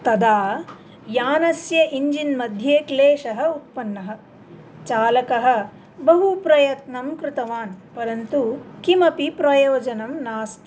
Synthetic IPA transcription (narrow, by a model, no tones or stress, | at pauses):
t̪ɐd̪aː | jaːnɐsjɐʔiɲd͡ʒinmɐd̪ʱjeːkleːʃɐɦɐ̆ut̪̚pɐnːɐɦɐ̆ | t͡ʃaːlɐkɐɦɐ̆ | bɐɦupɾɐjɐt̪nɐmkɾɪt̪ɐʋaːnpɐɾɐnt̪ukimɐpipɾɐjoːd͡ʒɐnɐmnaːst̪